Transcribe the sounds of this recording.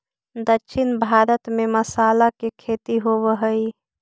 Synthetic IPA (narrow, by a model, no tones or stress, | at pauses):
d̪əkːʃʰɪnbʱaːɾət̪meməsaːlakekʰet̪iɦoβəɦəi